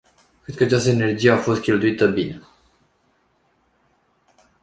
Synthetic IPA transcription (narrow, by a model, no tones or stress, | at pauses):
kɾed̪̚kəat͡ʃast̪əene̞rd͡ʒije̞afo̞st̪̚kʲe̞lt̪uit̪əbine